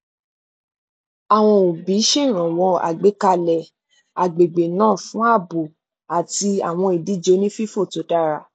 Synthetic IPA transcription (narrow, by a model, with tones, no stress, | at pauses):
a˨w̃ɔ̃˧o˨bi˨˦ʃẽ˦˨ɾ̃ã˨w̃ɔ̃˧a̰˨ɡ͡be˨˦ka˧lɛ˨ | a˨ɡ͡be˨ɡ͡be˨nãː˦˨fũ˦a˦˨bo˨ | a˨ti˧a̰˨w̃ɔ̃˧i˨di˨˦d͡ʒo˨˦nĩ˦fi˦fo˦˨to˨˦da˦˨ɾa˨